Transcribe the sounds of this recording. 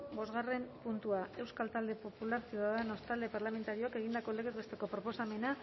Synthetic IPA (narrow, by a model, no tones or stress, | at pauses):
bo̞zɣare̞mpunt̪uae̞wskalt̪ald̪e̞po̞pulaɾsiðaðeno̞st̪ald̪e̞paɾlame̞nt̪aɾioake̞ɣ̞ind̪ako̞leɣezβest̪eko̞pɾo̞po̞same̞na